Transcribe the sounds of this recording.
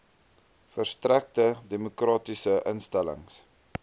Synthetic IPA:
fərstræk̚tədemokrɑːtisəʔənstælə̰ŋs

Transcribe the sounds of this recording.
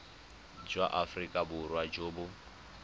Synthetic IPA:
d͡ʒwaʔafrikʼabʊɾwad͡ʒoːbʊ

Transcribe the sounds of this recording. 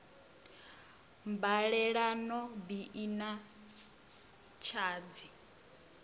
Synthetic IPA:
mbaɺɛɺanɔbiʔina | t͡ʃʰaːd͡zi

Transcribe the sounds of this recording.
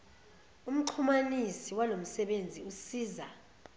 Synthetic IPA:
um̩ǃʰumanisiwalom̩sɛɓend͡zʱiusiːza

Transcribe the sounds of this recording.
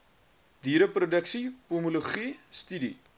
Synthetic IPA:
d̥iɾəprudəksipumuluχist̪ydi

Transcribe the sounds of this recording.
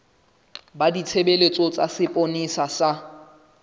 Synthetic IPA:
badit͡sʰebelet͡sʼɔt͡sʼasɪpʼonisasa

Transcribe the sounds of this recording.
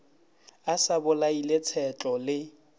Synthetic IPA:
asabʊlailɪt͡sʰɛt͡ɬʼɔlɪ

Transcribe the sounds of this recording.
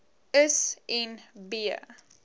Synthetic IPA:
əsɛnbiə̰

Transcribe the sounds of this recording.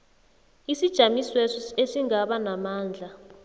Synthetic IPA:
isid̥ʒ̥ʱamiswesɔesiŋɡaɓanamaːnd͡ɮʱa

